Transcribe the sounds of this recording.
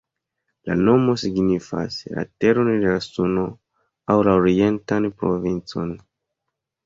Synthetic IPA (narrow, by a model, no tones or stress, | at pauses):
la̰no̞mo̞siɡnifa̰sla̰te̞ɾo̞ndelasuno̞ | awlaoɾie̞ntanpɾo̞̰vint͡so̞̰n